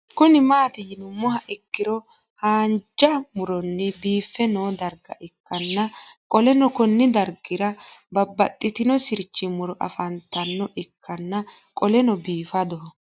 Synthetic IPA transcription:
kʊnɪmaːt̪ɪjɪnʊmɔɦɐʔɪkːɪɾɔ | haːnd͡ʒɐmʊɾɔnːɛbiːfːɛnoːd̪ɐɾɡɐ̰ʔɪkːɐnːɐkʼɔlɛnɔkɔnːɪd̪ɐɾɡɪɾɐbɐbːɐt̪ʼːɪt̪ɪnɔsɪɾt͡ʃːɪmʊɾɔʔɐ̰fɐnt̪ːɐnːɔʔɪkʰːɐnːɐ | kʼɔlɛnɔbiːfɐd̪ɔɦɔ

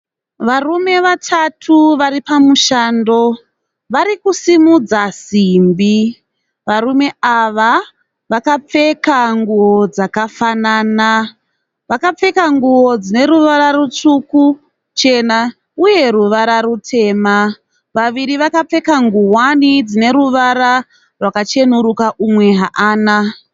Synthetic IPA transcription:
ʋarume̞ʋatʰatʰuʋaɾipamuʃaːndo̞ | ʋaɾikusimud͡zasimbi | ʋarume̞aʋa | ʋakap͡fe̞kaŋɡuwo̞d͡zakafanaːna | ʋakap͡fe̞kaŋɡuo̞d͡zine̞ɾuʋaɾarut͡ʂuku | t͡ʃe̞na | uje̞ruʋaɾaɾutʰe̞ːma | ʋaʋiɾiʋakap͡fe̞kaŋɡuɦwanid͡zine̞ɾuʋaɾa | rwakat͡ʃe̞nuɾukaʔumwe̞ɦaʔaːna

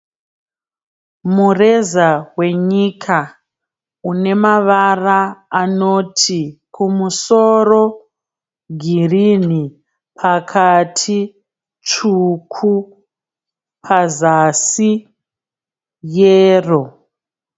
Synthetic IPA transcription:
mure̞zawe̞ɲikʰa | une̞maʋaraːno̞tʰikʰumuso̞ro̞ | ɡʱirini | pʰakʰatʰi | t͡ʃukʰu | pʰazasi | jeːro̞

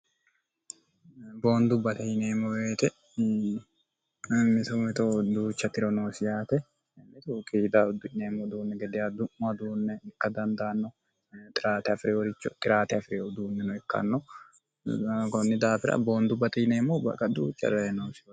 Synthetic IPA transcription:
bo̞ːnd̪ʊbɐt̪ɛjɪneːmːɔweːt̪ɛ | mɪt̪ɔmɪt̪od̪uːt͡ʃːɐt̪ɪɾɔnoːsɪjaːt̪ɛ | mɪt̪ukʼiːd̪aʊd̪ʊneːmːɔd̪uːnːɛɡɛd̪ɪjad̪ʊmːɐd̪uːnːɛɛkːɐd̪ɐnd̪aːnːɔ | t̪ʼɪɾaːt̪ɛɐfɪɾɛwɔɾɪt͡ʃːɔt̪ʼɪɾaːt̪ɛɐfɪɾɛʊd̪uːnːɛnɔɛkːɐ̰nːɔ | kɔnːɪd̪aːfɪɾɐ̰bo̞ːnd̪ʊbɐt̪ɛjneːmːɔbɐ̰kʼːɐd̪ṵːt͡ʃʼːɐ̰ɾɛnoːsɪ

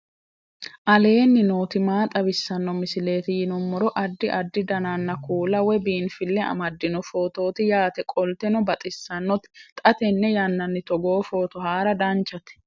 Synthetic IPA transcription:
ʔɐle̞ːnːɪnoːt̪ɪmaːt̪ʼɐbɪsːɐnːɔmɪsɪle̞ːt̪ɪjɪnɔmːɔɾɔʔɐd̪ːɪʔɐd̪ːɪd̪ɐnanːɐkuːlɐwɛbiːnfɪlːɛɐ̰mɐd̪ːɪnɔfoːt̪o̞ːt̪ɪjaːt̪ɛkʼɔlt̪ɛnɔbɐt̪ʼɪsːɐnːɔt̪ɪ̥t̪ʼɐt̪ɛnːɛjɐnːɐnːɪt̪ɔɡoːfo̞ːt̪ɔhaːɾɐd̪ant͡ʃɐt̪ɛ̥

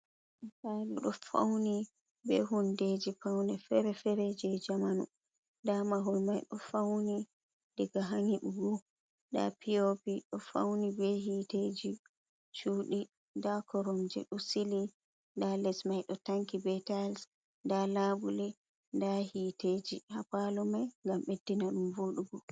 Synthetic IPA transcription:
ɗsaluɗɔfa̰wni | bɛɦunded͡ʒifawnɛfɛɾɛfɛɾɛd͡ʒɛd͡ʒamanṵ | ndamaɦulmajɗɔfawni | dɛɡaɦaŋiɓuɡu | da̰pʰiopiɗɔfa̰wnibɛhiːted͡ʒi | t͡ʃuːɗi | ndakɔɾɔmd͡ʒɛ̰ɗɔsili | ndalɛsmajɗɔtaŋkibɛtals | dalabuli | ndahited͡ʒihapalɔmajŋɡamɓedːinaɗumvoɗuɡɔ

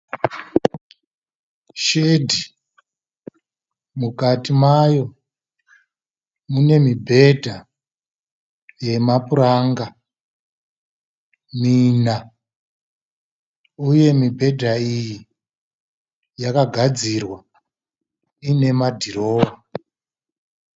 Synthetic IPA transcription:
ʃedʱi | mukatimajo̞ | mune̞mibʱe̞dʱa | je̞mapuɾaŋɡa | mina | uje̞mibʱe̞dʱaiji | jakaɡʱad͡zirwa | ine̞madʱiro̞ːwa

